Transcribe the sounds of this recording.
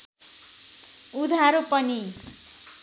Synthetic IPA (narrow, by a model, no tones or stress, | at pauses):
ud̪ʱaɾopʌni